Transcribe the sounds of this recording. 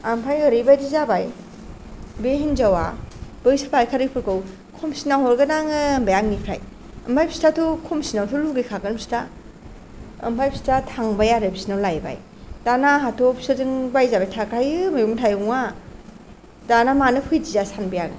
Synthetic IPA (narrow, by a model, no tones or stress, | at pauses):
ampʰajɯɾibajdizabaj | beɦinzawa̰b̥ɯjsapʰaɾikʰaɾɯpʰɯɾkɯw | kʰɔmsinaɦɔɾɡɯdaŋɯmbajaŋnipʰɾa̰j | ɐmbʰajpʰi̥statʰukʰɔmsinawtʰuluɡikʰakɯnmsi̥ta | ɐ̰mpʰajpʰi̥statʰaŋbajaɾɯbi̥sinawlajba̰j | d̥anaɦatʰɔpsɯzɯŋbajzabajtʰakajɯmajuŋtʰajuŋa | danamanɯpʰɯjdizasanbajaŋ